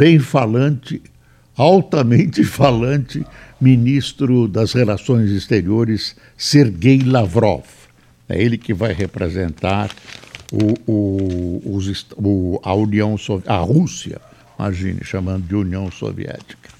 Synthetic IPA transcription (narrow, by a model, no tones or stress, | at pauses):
b̥ẽj̃falɐ̃t͡ʃɪ | awt̪ɐmẽnt͡ʃɪfalɐ̃nt͡ʃɪminist̪ɾʊd̪ɐzhelasõj̃zist̪eɾioɾɪsː | eɾɡejlavɾɔ̰f | ɛ̰elɪkɪvajɦepɾezẽnt̪aɾʊʊː | zist̪ʊauniɐ̃w̃sovɐhusiɐ̰ | imʔa̰ʒḭ̃nɪ̰ʃamɐ̃nd̪ʊd͡ʒɪuniɐ̃w̃so̰vḭɛ̰t͡ʃi̥kɐ̥